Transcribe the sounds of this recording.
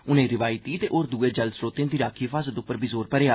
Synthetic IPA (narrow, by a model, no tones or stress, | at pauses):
ʊnẽːɾɪʋaːjt̪iːt̪eːʔoːɾd̪uːeːd͡ʒəlsɾoːt̪ejãːd̪iːɾaːkʰiːfʰaːzət̪ʊpːəɾbizoːɾpəɾeaː